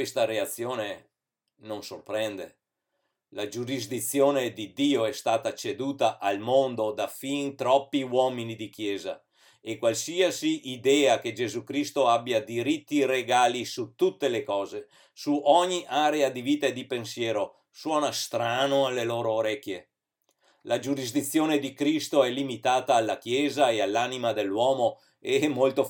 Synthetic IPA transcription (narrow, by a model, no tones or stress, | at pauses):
kwest̪aɾeat̪sːjoːne | nonsorpɾɛnd̪e | lad͡ʒuɾizd̪it̪sːjoːned̪id̪iːoɛst̪aːt̪at͡ʃed̪uːt̪aʔalmond̪od̪afint̪ɾɔpːiwɔːminid̪ikjɛːza̰ | ekːwalsiːasiʔːd̪ɛːaked͡ʒezukɾist̪oabːjad̪iɾit̪ːireɡaːlisut̪ːut̪ːelekɔːze | suʔɔɲːiʔaːɾead̪iviːt̪aed̪ːipensjɛːɾo | swɔːnast̪ɾaːnoalːeloːɾooɾɛkːje | lad͡ʒuɾizd̪it̪sːjoːned̪ikɾist̪oɛlːimit̪aːt̪aːlːakjɛːzaealːanimad̪elːwɔːmo | eɛmːolt̪o